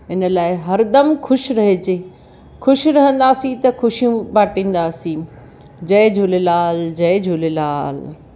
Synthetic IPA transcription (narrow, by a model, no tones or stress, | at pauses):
ɪnəlaːɪɦɐɾd̪ɐmkʰʊʃɾɐɦed͡ʑeː | kʰʊʃiɾɐɦə̃nd̪aːsĩt̪ɐxʊʃijũbaːʈĩːn̆d̪aːsĩ | d͡ʑɐɪd͡ʑʱʊlelaːld͡ʑɐɪd͡ʑʱʊːlelaːl